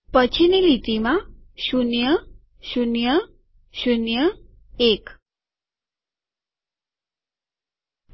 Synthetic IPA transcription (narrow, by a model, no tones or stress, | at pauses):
pət͡ɕʰinelit̪imaɕunjə | ɕunjə | ɕunjə | ek